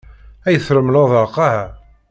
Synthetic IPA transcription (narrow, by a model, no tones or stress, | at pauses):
æjəθɾəmloðˤɑqːɑhæ